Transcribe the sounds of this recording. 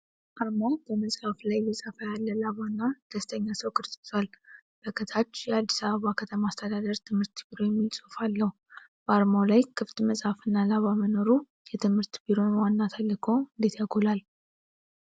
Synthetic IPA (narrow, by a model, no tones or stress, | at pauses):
ʔaɾmabəməsʼhaflajləsʼafajalːəlaβanːad̪̥əst̪ʰəɲːasəwkʰɨɾsʼɨsʼal | b̥əkʰət̪ʰat͡ʃːjɛad̪ːisaβəβakʰət̪ʰəmaast̪ʰəd̪ad̪əɾt̪ʰɨmhɨɾt̪biɾo̞jɛmːilsʼofalːəhu | b̥əaɾmolajkʰɨft̪məsʼhafɨnːalaβaməno̞ɾu | jɛt̪ʰɨmhɨɾt̪biɾo̞nwanːat̪ʰalːɨkʰo̞ɨnd̪e̞t̪jaɡʰolal